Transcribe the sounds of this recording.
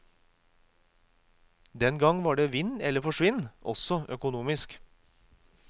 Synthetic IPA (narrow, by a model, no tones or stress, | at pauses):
d̪ɛnɡɑŋʋɑːɖeːʋɪnɛləɾfɔʂʋɪnʔɔ̰sɔʔœkʊnuːmɪsk